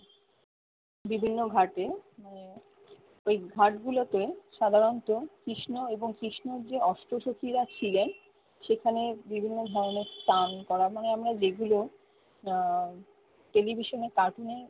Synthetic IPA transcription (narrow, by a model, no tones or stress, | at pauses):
bibʱinːoɡʱaʈemane | ejɡʱaʈɡulot̪eʃad̪ʱaɾont̪okɾiʃnoeboŋkɾiʃnoɾd͡ʑeɔʃʈɾoʃokiɾat͡ɕʰilen | ʃekʰanebibʱinːod̪ʱɔɾoneɾst̪ankɔɾamaneamɾad͡ʑeɡulo | ʈelibʱiʃoneɾkaʈune